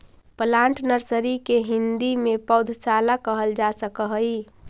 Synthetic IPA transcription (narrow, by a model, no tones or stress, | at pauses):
pəlãːɳʈnəɾsəɾikeɦɪ̃nd̪imẽpəʊd̪ʱsalakəɦəld͡ʒasəkəɦəi